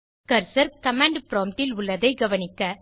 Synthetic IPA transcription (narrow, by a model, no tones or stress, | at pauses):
kɐɾsɐɾkɐmaːɳɖpɪɾoːmʈɪlʊɭːɐðɐɪɡɐʋɐnɪkːɐ